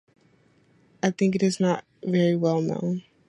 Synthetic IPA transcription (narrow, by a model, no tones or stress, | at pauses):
aɪθɪ̃ŋkɨɾɨznət̚vɛɹiwɛlˠnõ̰ʊ̃n